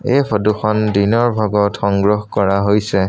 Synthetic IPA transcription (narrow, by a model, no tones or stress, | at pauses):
epʰɔduxɔndinɔɹbʱaɡɔtxɔŋɡɹɔɦkɔɹaɦojsɛ